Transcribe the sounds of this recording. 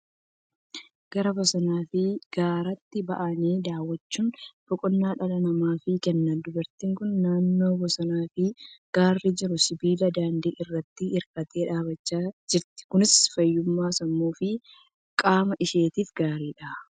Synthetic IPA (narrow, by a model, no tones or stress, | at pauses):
ɡ̥ɐɾɐbɔsɐnaːfɪɡ̥aːɾɐt̪ːɪbɐ̰ʔɐniːd̪aːwːɐt͡ʃːuːnb̥ɔkʼɔnːaːᶑɐlɐnɐmaːfɪkɛnːɐnd̪ʊbɐɾt̪ɪːŋkʊnːaːnːo̞ːbɔsɐnaːfɪɡ̥aːrːid͡ʒɪɾʊsɪbiːlɐd̪aːnd̪iːʔɪrːɐt̪ːɪːɾkʼɐt̪e̞ːᶑaːbɐt͡ʃːaːd͡ʒɪɾt̪ɪ̥kʊnɪsfɐjːʊmːaːsɐmːuːfɪ | kʼaːmɐʔɪʃeːt̪iːfɡaːɾiːᶑɐː